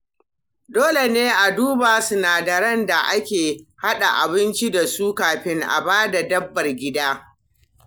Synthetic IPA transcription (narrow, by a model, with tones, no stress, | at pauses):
doː˦le˨neː˦ʔa˨duː˦baː˨sʊ˦naː˨dɐ˨ɾɐ˦nda˨ʔa˦kʲeː˨ha˦ɗa˨ʔa˨bɪ˦nt͡ʃi˦da˨su˦kaː˨ɸɪ˦ŋʔa̰˨baː˦da˨dɐ˦bːɐ˨rɡʲɪ˦daː˦